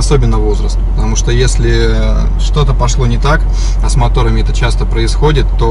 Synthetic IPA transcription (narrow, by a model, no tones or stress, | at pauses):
ɐso̞bʲɪnːəvo̞zɾəst̪pət̪ɐmuʂt̪ojesʲlʲɪ | ʂt̪o̞t̪əpɐʂlˠo̞nʲɪt̪ak | ɐsmɐt̪o̞ɾəmʲɪɛt̪ət͡ɕast̪əpɾəɪsxo̞dʲɪt̪ːo̞